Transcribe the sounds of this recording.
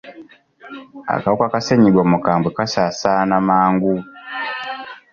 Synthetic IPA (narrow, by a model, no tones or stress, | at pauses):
a̰kaβukakaseɲiɡwomukaːmbwekasaːsaːnamaːŋɡu